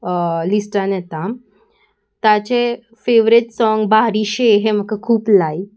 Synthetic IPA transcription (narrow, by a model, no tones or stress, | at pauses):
lisʈãnet̪am | t̪at͡ɕe | feʋɾit̪sɔŋɡbaɾiɕeɦem̤əkːəkʰuːplai